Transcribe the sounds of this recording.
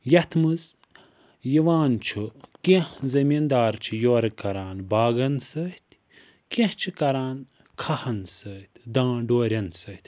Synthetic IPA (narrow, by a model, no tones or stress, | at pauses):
jɐt̪ʰmɨz | jiʋaːnt͡ʃʰukẽhzɐmind̪aːɾt͡ʃʰijoːɾɐkɐɾaːnbaːɡɐnsɐht̪ʲʰ | kẽht͡ʃʰikɐɾaːn | kʰɐhɐnsɐt̪ʲʰd̪ãːɖoːɾʲɐnsɐt̪ʲʰ